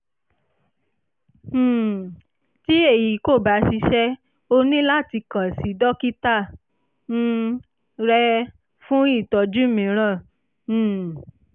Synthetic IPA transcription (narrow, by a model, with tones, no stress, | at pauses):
ti˦e˦˨ji˨˦ko˦˨ba˨˦ʃi˧ʃɛ˦ | o˧nĩ˦la˦˨ti˧kã˨si˨˦dɔ˦ki˦ta˦˨ | ñ̩˦ | ɾɛ˧ | fũ˦i˦˨tɔ˧d͡ʒu˦mĩ˨˦ɾ̃ã˦˨˦